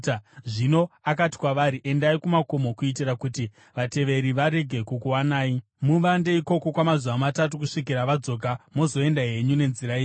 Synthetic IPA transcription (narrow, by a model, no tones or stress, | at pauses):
ʐino̞akati̥kwaʋaɾiʔe̞ndaikumako̞mo̞kuit̬irakuti | ʋate̞ʋe̞ɾiʋaɾe̞ɡʱe̞kukuwanaːi | muʋande̞iko̞ko̞kwamazuʋamatatukuʂik̬iɾaʋad͡zo̞ːk̬amo̞zo̞e̞ndaɦe̞ɲune̞nziɾaiː